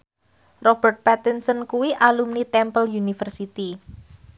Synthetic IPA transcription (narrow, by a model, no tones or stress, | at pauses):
rɔb̥ərt̪̚pɛt̪insɔnkuwiʔalumnit̪ɛmpəljunifərsit̪i